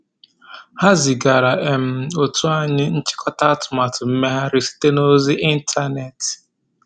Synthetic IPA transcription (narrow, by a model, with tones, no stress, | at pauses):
ha˦zi˨ɡa˨ɾa˨ʔe˨m̩˨o˨tu˦a˦ɲɪ˦n̩˦t͡ʃɪ̥˦kʰɔ˦ta˦tʊ˨ma˨tʊ˨m̩˦me˦ɦa˦ɾɪ˦si̥˦te˦no˦zi˦ʔi˦n̩˦tʰa˦ne˨t